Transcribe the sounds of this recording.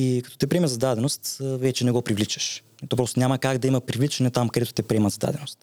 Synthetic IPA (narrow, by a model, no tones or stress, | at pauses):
ikɐt̪ɔ̥t̪ɛpɾiɛməzɐd̪ad̪ɛnost̪vɛt͡ʃɛnɛɡɔpɾivlit͡ʃɐ̥ʃɛt̪op̬ɾɔst̪nʲamɐkaɡd̪ɐimɐpɾivlit͡ʃɛnɛt̪amkɐd̪ɛt̪ʊ̥t̪ɛpɾʲiɛmɐzɐd̪a̰d̪ɛnost̪